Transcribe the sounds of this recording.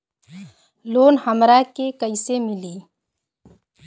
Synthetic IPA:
loːnhəmɾakekəɪsemɪliː

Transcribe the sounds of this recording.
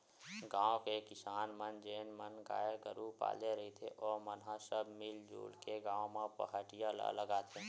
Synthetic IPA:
ɡãːõkekɪsaːnmənd͡ʒeːnmənɡa̰ːjeɡəɾupa̰ːleɾəɦit̪ʰeʔɔːɾmənɦãsəbʱmɪld͡ʒṵːlkeɡãːõmãpə̰ɦəʈijalə̰ləɡaːt̪ʰe

